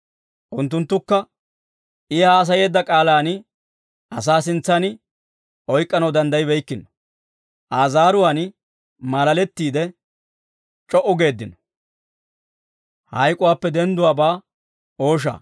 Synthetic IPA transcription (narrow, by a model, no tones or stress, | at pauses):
ʔʊnt̪ːʊnt̪ːʊkːɐ | ʔɪhaːs̬ɐje̞ːd̪ːɐkʼaːlaːn | ɐsaːsɪnt͡sːɐnɪ | ʔɔjkʼːɐnɐwd̪ɐnd̪ɐjɪbɛjkːɪnɔ̥ | ʔaːzaːɾʊwaːn | mɐlɐlɛt̪ːiːd̪ɛ | t͡ʃʼɔʔʊɡe̞ːd̪ːɪnɔ̥ | hɐjkʼʊwaːpːɛd̪ɛnd̪ʊwaːbaː | o̞ːʃ̬a̰ː